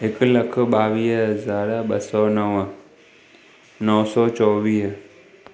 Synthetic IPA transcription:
ekləkʰɓaːʋiːsɦɐzaːɾɓəsɔːnəʋ | nɔʋsɔːt͡ʃɔːʋiːs

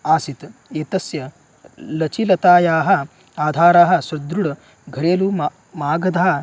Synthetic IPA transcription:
aːsit̪eːt̪ɐsjɐ | lɐt͡ʃilɐt̪aːjaːɦɐ̆ | aːd̪ʱaːɾaːɦɐ̆ʃɾɐd̪ɾuɽɐ | ɡʱɐɾeːlu | maːɡɐd̪ʱaː

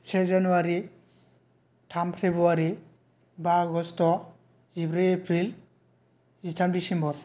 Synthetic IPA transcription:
sʰɛzanuaɾi | tʰampʰebɾuaɾi | baɡɔstɔ | ibɾiepʰɾil | itʰamdisɛmbɔɹ

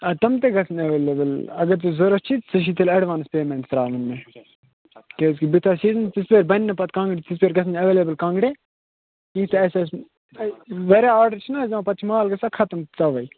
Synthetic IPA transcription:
ɐt̪ɐmt̪̬eɡɐsʰnɐʋeːlebɐlɐɡɐɾt̪uzɐɾɐt͡ʃʰit̪sɐʃ̬it̪ɐlɐɽʋaːnɐspeːmẽɳʈsɾaːlɐnːe | kes̬kibit̪ʰasiːzɐnt̪isbeːɾbɐnʲːɐpɐt̪̚kãːŋɡɽit̪is̬beːɾɡɐsʰnɐʋeːleːbəlkãːŋɡɽe | kĩkʰt̪eɐses | ʋeɾaaːɾɖɐɾt͡ʃʰinazɐmãpɐt̪̚t͡ʃʰimaːlɡɐsakʰɐt̪ɐmt̪ɐʋɐi

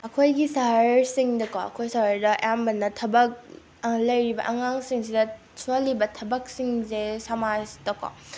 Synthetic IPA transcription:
ɐkʰojɡisaɦɾsiŋdɐkɔɐ̰kʰojsaɦɾdɐjambɐnːɐtʰɐbɐk̚ | lɐjɾibɐ̰ʔɐŋaŋsiŋsidɐ | sʰolːibɐtʰɐbɐk̚siŋzesamastɐkɔ̰

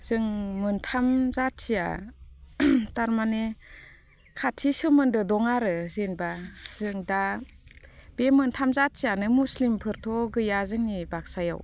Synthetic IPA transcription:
z̥ɯŋmɯntʰamzat̚sija̰ | taɾmane | kʰatʰisɯmɯndɯdɔŋaɾɯzenbaz̥ɯŋda | bemɯntʰamzat̚sijanɯmuslimpʰɯɾtʰɔɡɯjazɯŋnibak̚saja̰w

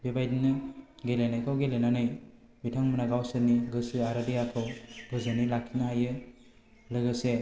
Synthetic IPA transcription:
bibajdinɯɡelenajkʰawɡelenanɯj | bitʰaŋmɯnaɡawsɯnːiɡɯsɯaɾɯdijakʰɯwbʱɯzɯnilakʰːinaɦajɯ | lɯɡɯse

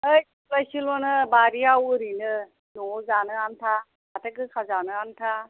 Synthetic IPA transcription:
əjsilajsilɔnɯbaɾiawɯɾinɯ | nɔzanɯant̪ʰa | at̪ʰəkɯkʰazanɯant̪ʰa

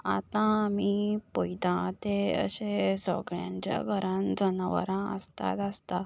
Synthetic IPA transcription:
a̰t̪ãmipojt̪ãt̪eə̰ɕẽsɔɡɾjãɲt͡ɕja̰kəɾand͡zənaʋə̰ɾãəst̪a̰t̪əst̪a

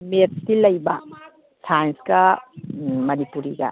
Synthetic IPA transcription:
mettilɐjbɐ | sajnsɡɐ | mɐnipuɾiɡɐ̰

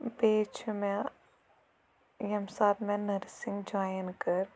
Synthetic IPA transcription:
beːt͡ʃʰmɛ̃ | jɐmsaːbmɛ̃nəɾsɪŋɡd͡ʒaːjənkəɾ

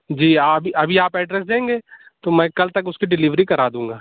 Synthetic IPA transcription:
d͡ʒiːabʱiʔɐbʱiaːpɛːɖɾɛːsd̪ẽːŋɡeːt̪oːmɛ̃ːkɐlt̪ɐkʊskiɖɪliːʋɾikɐɾaːd̪ũːŋɡaː

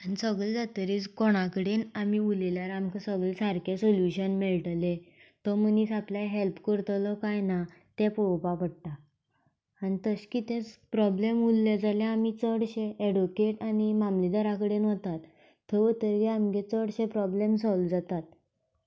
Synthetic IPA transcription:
anisəɡɭed͡zat̪əɾiːt͡skoɽ̃akəɽenamiuleljaɾamkəsəɡɭesaɾkesoljuɕənmelʈlet̪ɔməniːt͡sapljaɦelpkəɾt̪lɔkajna | t̪ẽpowpapəɽ̚t̪a | añit̪əɕkiːt̪ẽt͡spɾɔblemulːed͡zalẽamit͡səɽɕeeɖukeʈañimamlid̪əɾakəɽenɦɔt̪at̪ʰː | əʋət̪əɾɡeamɡet͡səɽɕepɾɔblemsɔld͡zat̪at̪̚

